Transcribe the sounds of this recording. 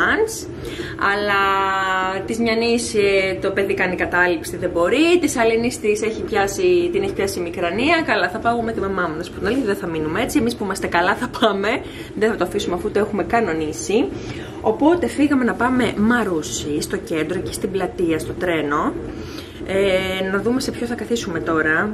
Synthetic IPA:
ns | ɐlɐ | t̪izmɲɐniset̪o̞pe̞ðikɐnikɐt̪ɐlipsiðebo̞ɾit̪isɐlinist̪ise̞çipçɐsit̪ine̞çi̥pçɐsiːmikɾɐniɐkɐlɐθɐpɐumet̪imɐmɐmunɐspot̪inɐlθiðeθɐminumee̞t͡sie̞mispuimɐst̪e̞kɐlɐθɐpʰɐme̞ | ðeθɐt̪oɐfisumeɐfuut̪oe̞xume̞kɐno̞nisi | o̞po̞t̪e̞fiɣɐme̞nɐpɐme̞mɐɾusist̪o̞ce̞nd̪ɾo̞cest̪iblɐt̪iɐst̪o̞t̪ɾe̞no̞ | enɐðume̞se̞pçosθɐkɐθisume̞t̪o̞ɾɐ

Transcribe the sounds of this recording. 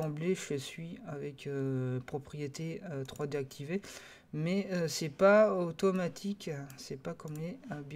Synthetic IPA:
ɑ̃bleʒləsɥiavɛkøpχɔpχijet̪eøt̪χwad̪eak̚t̪ʰive | mɛøsɛpaot̪ɔmat̪ʰiksɛpakɔmleøbj

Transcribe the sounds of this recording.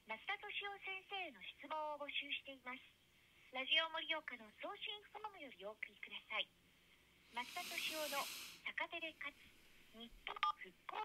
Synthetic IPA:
mat͡sɨ̥t̪at̪o̞ɕio̞sẽ̞ɰ̃se̞ːno̞ɕi̥t͡sɨmõ̞ɰ̃obo̞ɕɨːɕi̥t̪e̞imasɨ̥ | ɾaʑio̞mo̞ɾʲijo̞kano̞so̞ːɕĩɰ̃ɸɯ̥t̪onomojo̞ɾʲio̞ːkɯ̟ɾʲikɯ̟d̪asai | mat͡sɨ̥t̪at̪o̞ɕio̞no̞sakat̪eɾe̞kat͡sɨ̥ɲ̟ipːoɸɯ̟kːoː

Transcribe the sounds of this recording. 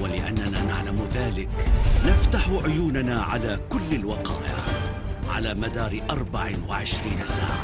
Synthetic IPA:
walɪʔanːanaːnaʕlamðaːlɪknaft̪aħʕʊjuːnanaːʕalaːkʊlːalwɑqɑ̰ːʔɪ̰ʕ | ʕa̰laːmad̪ɑːɾɪʔɑɾˤbaʕwaʕɪʃɾiːnasa̰ːʕa̰

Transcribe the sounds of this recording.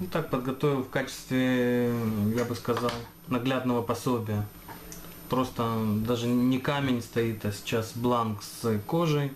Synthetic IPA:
t̪ak̚pəd̪̚ɡɐt̪o̞vʲɪlˠfkat͡ɕɪ̥st̪vʲɪ | jabɨskɐzɑlˠ | nɐɡlʲad̪nəvəpɐsʲo̞bʲɪjə | pɾo̞st̪əd̪aʐɨnʲɪkamʲɪnʲst̪ɐit̪asʲɪ̥t͡ɕasblˠanksɨko̞ʐɨj

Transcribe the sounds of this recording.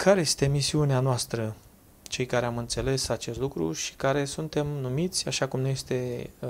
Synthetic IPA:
kʰaɾe̞je̞st̪e̞misiuneanoast̪ɾə | t͡ʃe̞jkaɾe̞amɨnt̪se̞le̞sat͡ʃe̞st̪lukɾṵʃi̥kaɾe̞sunt̪e̞mnumit̪sʲaʃakumnuje̞st̪e̞

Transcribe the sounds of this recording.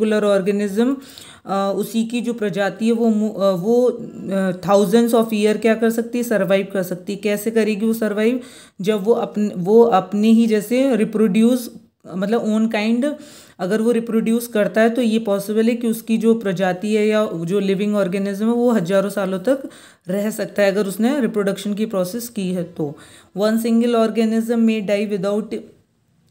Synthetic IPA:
ʊləɾɔːɾɡənɪzəm | ʊsikid͡ʒoːpɾɐd͡ʒaːt̪iɦɛʋomʋo | t̪ʰaːʊzəɳɖzɔːfijəɾkjaːkɐɾsɐk̚t̪iɦɛsɐɾʋaːɪʋkɐɾsɐk̚t̪iɦɛkɛːsekɐɾeːɡiʋosɐɾʋaːɪb | d͡ʒɐbʋoʔɐpnʋoɐpneɦid͡ʒɛːseɾɪpɾoːɖjuːs | mɐt̪ləboːnkaːɪ̃ɳɖ | ɐɡəɾʋoɾɪpɾoːɖjuːskɐɾt̪aɦɛt̪ojepɔːsɪbəlɦɛkiʊskid͡ʒoːpɾɐd͡ʒaːt̪iɦɛjad͡ʒoːlɪʋɪ̃ŋɡɔːɾɡɛnɪzə̃mɦɛʋoɦɐd͡ʒaːɾõsaːlõt̪ɐk | ɾɛɦsɐk̚t̪aɦɛɐɡəɾʊsneɾɪpɾoːɖɐkʃənk̬ipɾɔːseːskiɦɛt̪oːʋɐ̃ns̬ɪ̃ŋɡəlɔːɾɡɛnɪzəmːẽɖaːiʋɪd̪aːʊʈ

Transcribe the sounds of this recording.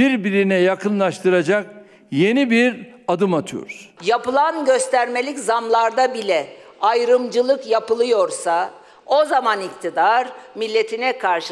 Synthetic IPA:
iɾbiɾinɛjakɯnlˠaʃt̪ʰɯɾad͡ʒak̚ | je̞nibiɾad̪ɯmat̪ʰɯjo̰ɾ̥japɯlˠanɟø̞st̪ʰæɾme̞lʲiczamlˠaɾd̪abilʲɛajɾɯmd͡ʒɯlˠɯkjapɯlˠɯjo̞ɾsa | o̞zamanict̪ʰid̪aɾmilʲːe̞t̪ʰinɛkʰaɾʃ

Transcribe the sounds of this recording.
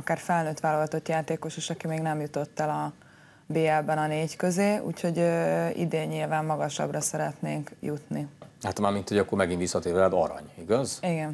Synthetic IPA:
ɒkaːrfɛlnøːt̪ʋaːlɒɡɒt̪o̞t̪jaːt̪eːko̞ʃeːʃɒkimeːɡnɛmjut̪o̞t̪ːɛlɒ | beːɛlbɛnɒneːckøzeːṵːcho̞ɟøḭd̪eːɲːilvaːmːɒɡɒʃɒ̰brɒsɛɾɛt̪nḛːŋkjut̪nihat̪maːɾmint̪hoɟɒkːoɾmɛɡinvisːɒt̪eːɾvɛad̪ɒ̰ɾɒ̰ɲiɡɒziɡɛn

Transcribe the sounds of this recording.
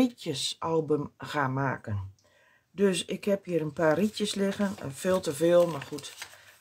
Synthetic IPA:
itjəsʔɔlˠbəmxaːmaːkən | døsɪkhɛpjiəɾənpaːritjəslɪɣənɛ̰nfeːlˠtəvɪːlˠmarxut

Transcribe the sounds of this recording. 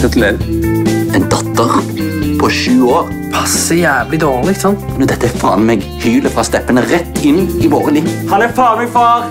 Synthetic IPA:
ɛt̪lɛn | ɛnd̪ɑt̪ːəʁpʰɔʃʉːoːʁ | pʰɑsəjæːʋlɪd̪oːlɪɡt̪sɔnt̪nɔd̪ɛt̪ːəɛfɑ̰ːnmɛɡ | hyːləfʁɑːst̪ɛpːənəʁɛt̪ːɪnːɪʋoːʁəliːhɑnɛfɑːʁmɪfɑːʁ

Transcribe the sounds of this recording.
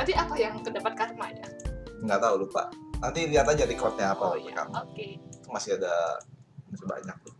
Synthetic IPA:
t̪apiapajaŋt̪ədapat̪̚karmad͡ʒaŋɡaʔt̪aulʊhpa̰ʔnant̪iliat̪ad͡ʒadikɔt̪̚ɲaapalaɡika̰mokeit̪umasɪhada | masɪba̰ɲak̚lʊh

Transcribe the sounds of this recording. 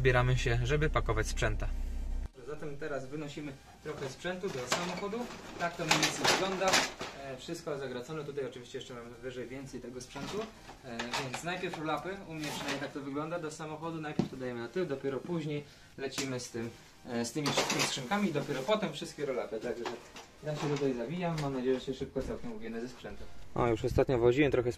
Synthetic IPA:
bʲjɛɾamɘɕɛʐɛbɘpakɔvat͡ɕspʂɛnt̪aɔʐɛzat̪ɛmt̪ɛɾazvɘnɔɕimɘ | t̪ɾɔxɛspʂɛnt̪ud̪ɔsamɔxɔd̪ut̪ak̚t̪ɔmʲivʲent̪sɛvɘɡlɔnd̪afʂɘst̪̚kɔzaɡɾat̪sɔnɛt̪ut̪ajɔt͡ʂɨvʲiɕt͡ɕɛjɛt͡ʂɛmamɘvɘʐɛjvʲjɛnt̪sɛjt̪ɛɡɔspʂɛnt̪u | vʲjɛnt̪snajpʲjɛɾfɾɔlapɘumɲɛpʂɨnajmʲɲʲjt̪akt̪ɔvɘɡlɔnd̪ad̪ɔsamɔxɔd̪unajpʲɛɾft̪ɔd̪ajɛmɘnat̪ɘwd̪ɔpʲjɛɾɔpuʑɲej | lɛt͡ɕimɘst̪ɘm | st̪ɘmʲifʂɨst̪kʲimʲistkʂɨŋkamʲiːd̪ɔpʲɛɾɔpɔt̪ɛmfʂɘst̪kʲɛɾɔlapɘt̪aɡʐɛ | zaɕɛt̪ut̪ajzabʲijamːamnad͡ʑejɛʐɛɕɛʂɘp̚kɔt̪sɛwkʲɛmuvʲinɘzɛspʂɛnt̪uɔ̰juʂɔst̪at̪ɲɔvɔʑiɛt̪ɾɔxɛs

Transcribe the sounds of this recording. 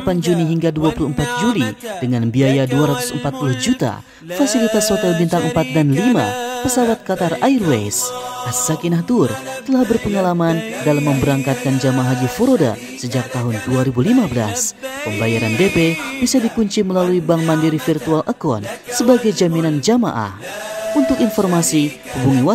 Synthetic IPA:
apand͡ʒuniɦiŋɡaduapuluəmpat̪̚d͡ʒulid̥əŋanbiajaduaɾat̪u̥səmpat̪̚puluhd͡ʒut̪a̰ | fasilit̪ashot̪ɛlbint̪aŋəmpat̪̚danlima̰pəsawat̪̚kat̪arairwesassakinaht̪ur | t̪əlahbərpəŋalamandalamːəmbəɾaŋkat̪̚kand͡ʒamaɦad͡ʒifoɾoda̰ | səd͡ʒak̚t̪aɦʊnduaɾibulimabəla̰spəmbajaɾandepebisadikuɲt͡ʃiməlaluibaŋmandiɾifirt̪ualʔəkɔ̰nsəbaɡajd͡ʒaminand͡ʒama̰ʔa̰h | unt̪ʊkinfɔrmasi | hubuŋiwa

